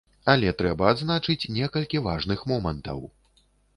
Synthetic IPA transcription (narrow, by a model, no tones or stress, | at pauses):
ɐlʲɛt̪ɾɛbɐːd̪znat͡ʂɨt͡sʲnʲɛkɐlʲkʲivaʐnɨxmɔmɐnt̪ɐ̰w